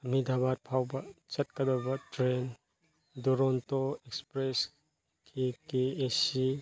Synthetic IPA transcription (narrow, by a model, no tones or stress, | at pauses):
ɐmidʱabat̚pʰawbɐt͡ʃɐt̚kɐdɔbɐtɾen | duɾɔntoekspɾes | kʰikeesi